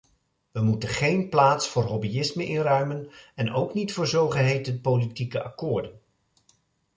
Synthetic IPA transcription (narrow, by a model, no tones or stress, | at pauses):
ʋəmutənχejnplaːtsfʊːɹɦɔbiɪsməʔɪnrœɥmənɛnowknitfʊːɹzowχəɦejtənpowlitikəʔɑ̰kʊːɹdən